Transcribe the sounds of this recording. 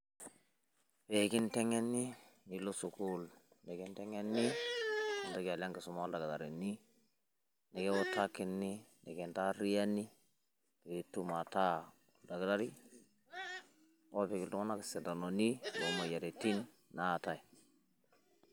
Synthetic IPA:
pe˨ki˦ntɛ˦ŋe˦nːi˦ni˨lo˦su˨ku˦l | ne˨ki˦ntɛ˦ŋe˦nːi˦ | i˨ta˦ka˨la˦ŋki˨su˨ma˦lda˨ɡa˨da˨ɾi˨ni˦ | ne˨ke˦wo˦ta˦ki˦nːi˦ne˨ke˨nta˦ɾi˦ja˦nːi˦ | pe˨i˨˦tːu˦ma˨ta˦ | da˨ɡa˨da˦ɾi˦ | o˦pe˨ki˨ltu˦ŋo˦na˦ki˨se˨da˨no˨ni˦lo˨˦mo˨ja˨ɾe˨ti˦nː | a˨ta˨i˨

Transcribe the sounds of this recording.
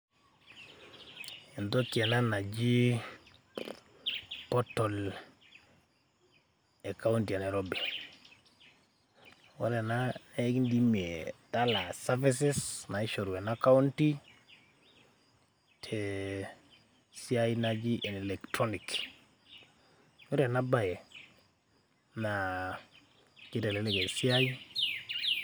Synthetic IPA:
e˨nto˦kie˨na˦na˨d͡ʒi˦ | pɔ˦to˨l | e˨ka˦unti˨a˨ne˨ɾobi | wo˦ɾe˨nana˦ki˦ndi˦mi˨eta˦la˨safi˦s̬i˦sna˨i˦ʃo˨ɾu˨e˨naka˦u˦nti˦ | tʰe | si˦a˦i˦nad͡ʒi˦ʔe˨ni˨lektɾo˦nik | wo˦ɾe˨na˦ba˦je˨ | na | ki˦te˨le˦le˦ke˨si˦a˦i˦

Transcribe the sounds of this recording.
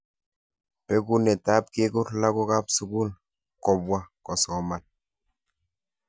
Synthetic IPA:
pɛ˦ku˦nɛ˨ta˦p̚ke˦kʊ˦ɾla˦ko˦ka˦psu˨ku˦l | kɔ˨bwa˦kɔ˨sɔ˨ma˨n

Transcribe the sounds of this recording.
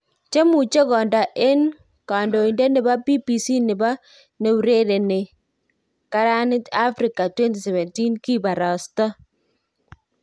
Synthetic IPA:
t͡ʃe˦mu˨t͡ʃe˦kɔ˨nda˨ʔe˦n | ka˨ndo˨i˨nde˦nɪ˨ba˦pi˦pi˨si˦nɪ˨ba˦ | ne˨˦u˨ɾe˦ɾe˨ne˨ | ka˦ɾa˦nɪ˦ta˦fɾi˨ka˨twɛ˦nti˨sɛ˨βɛ˨nti˦nki˦ba˨ɾa˨sta˦

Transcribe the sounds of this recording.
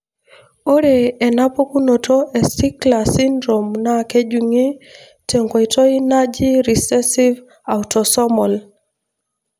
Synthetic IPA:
o˦ɾeː˨na˦po˦ku˦no˨tʰo˦ʔe˨si˦kla˨si˦ndɾo˨mna˦ke˦d͡ʒu˨ŋi˦ | tʰe˨ŋɡɔ˨itɔ˦i˦na˦d͡ʒi˦ɾi˨sɛ˦si˦v | a˨utɔ˨sɔ˦mɔ˨l

